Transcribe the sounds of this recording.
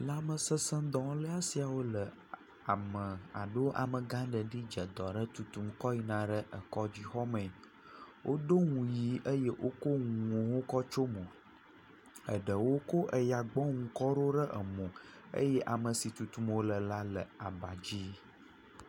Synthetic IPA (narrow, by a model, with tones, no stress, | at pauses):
la˦mə˨sə˦sə̃˦d̪ɔ̃˨˦lə˦a˦si˨a˨wo˦lə˨ | a˨mə̃˨a̰˨ɖo˦ʔa̰˨mə̃˨ɡã˦ɖə˨ɖi˦d͡ʒə˨d̪ɔ˨ɖə˦t̪u˨t̪u˨mkɔ˦ji˦nã˦ɖə˦ʔə˨kɔ˦d͡ʑi˦xɔ˦mɛ̃˨ | wʔo˦ɖo˦ŋũ˨ji˨ʔə˦jɛ˦wʔo˦ko˦ŋũ˨wo˦kɔ˦t͡ʃo˦mõ˨ | ə̰˨ɖə˨wo˦ko˦ʔə˨ja˨ɡ͡bɔ˦ŋũ˨kɔ˦ɖo˦ɖə˦ʔə˨mɔ̃˨ | ə̰˦jɛ˦ʔa˨mə˨si˨t̪u˨t̪u˨mwo˦lə˨la˦lə̰˨a˨ba˨d͡ʑi˦